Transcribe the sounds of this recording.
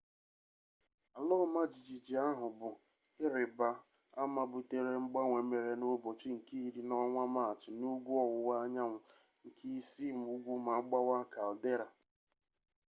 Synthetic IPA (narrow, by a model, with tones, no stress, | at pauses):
a˨lɔ˦ma˦d͡ʒi˨d͡ʒi˨d͡ʒi˨a˦ɦʊ˨bʊ˨ | ɪ˦ɾɪ˨ba˨ | a˦ma˨bu˨te˨ɾe˦ŋ͡m̩˦ɡ͡ba˦ŋʷe˨me˨ɾe˨no˦bo˨t͡ʃi˦ŋ̩˨ki˦i˦ɾi˦nɔ˦ŋʷa˦ma˦a˨t͡ʃɪ˨nu˦ɡʷu˦ɔ˨wʊ˨wa˦ɲa˦ŋʷʊ˨ | ŋ̩˨kʰi˦i˦si˦m̩˨u˦ɡʷu˦ma˨˦ɡ͡ba˦wa˦ka˨lde˦ɾa˨